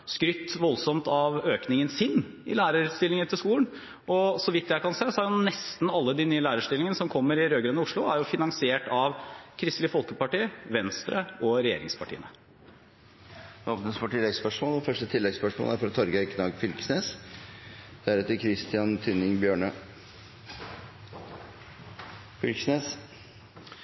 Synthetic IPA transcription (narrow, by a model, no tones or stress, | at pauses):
skɾʏt̪ːʋɔlsɔmt̪ɑʋøːknɪŋənsɪnː | ɪ̰læːɾəɾst̪ɪlːɪŋət̪ʰɪlskuːləɳ | ɔsɔʋɪt̪ːd̪jɛæɪkɑnseːsɔhæɾjʊnɛst̪nɑlːəd̪ɪnyːəlæːɾəʂt̪ɪlɪŋənəsɔmkʰɔmːəɾɪɾøːɡɾɛːd̪nəʊʂɭʊæɾjʊfɪnɑŋsɪeːʈɑʋkʰɾɪst̪lɪfɔlkəpɑʈiːəʋɛnst̪ɾəɔɾɛjḛːɾɪ̰ŋspʰɑʈʰḭːənə | oːpnəsfoʈʰɪlːɛɡspœʂmoːlɔfœʂʈət̪ʰɪlːɛɡspœʂmo̰ːlæɾfɔɾɑt̪ʰːɔɾɡəkʰnɑːɡfʏlksneːs | d̪̥æɾʉːt̪əkʰɾɪst̪ɪɑnt̪ʰʉnɪŋbjøːɳə | fʏlkəsneːs